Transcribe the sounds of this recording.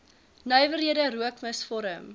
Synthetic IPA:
nœjvəɾɦiədəɾuəkməsfɔɾəm

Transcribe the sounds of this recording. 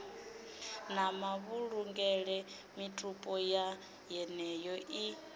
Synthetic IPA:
namaβuɺuŋɡɛɺɛ | mitʼupʼɔja | jɛnɛjɔʔi

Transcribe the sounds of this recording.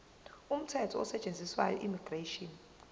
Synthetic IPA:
um̩tʰɛtʰɔɔsɛt͡ʃʼend͡zʱiswa̰jɔ̰ʔimiɡ̥reʃɔn

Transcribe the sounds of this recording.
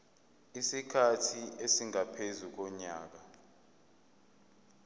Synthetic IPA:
isikʰatʰiesiŋapʰezuk̬ɔɲaːk̬a

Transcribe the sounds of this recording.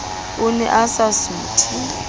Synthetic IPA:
unɛ̰ʔasasuːtʰi

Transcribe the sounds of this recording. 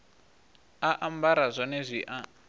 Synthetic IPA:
aʔambaɾazʷɔnɛzʷiʔa

